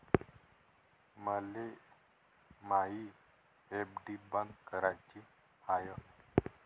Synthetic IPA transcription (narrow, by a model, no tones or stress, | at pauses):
məle | maɦi | epɖibənɡ̪kəɾat͡ɕi | hajə